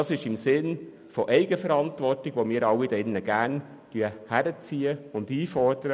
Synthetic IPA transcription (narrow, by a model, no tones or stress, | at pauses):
ɑsɪʃɪmsɪn | fɔʔɛɪɡəfəɾɑntʋɔrtɪɡ̥ʋomiːɾɑwidɛnːəɡ̥æːn | tyəhæɾət͡siːəʊndiːfɔrd̥əɾə